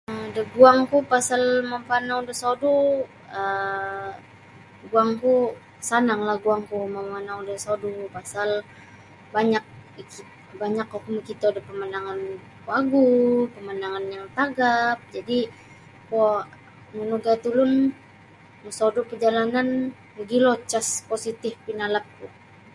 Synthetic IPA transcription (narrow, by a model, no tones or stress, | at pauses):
daɡuaŋkupasalmamfanaudəsodu | ə | ɡuaŋku | sanaŋlahɡuaŋkumamfanaudasodupasal | baɲak̚ik | baɲakakuməkit̪udapəmanaŋan | kwaɡupəmanaŋanjaŋt̪aɡap̚d͡ʒadi | ko | mənuɡat̪ulʊn | məsodupəd͡ʒalanan | bəɡilot͡ʃasposit̪ɪfpinalap̚ku